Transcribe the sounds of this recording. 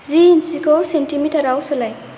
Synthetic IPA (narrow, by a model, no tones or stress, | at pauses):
zinsikɔwsentimitaɾawsɔlaj